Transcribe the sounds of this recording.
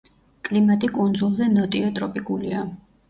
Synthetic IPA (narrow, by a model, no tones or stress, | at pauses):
kʼlimat̪ʼikʼund̪zulˠzɛnɔt̪ʼiɔt̪ʼɾɔpʼikʼulia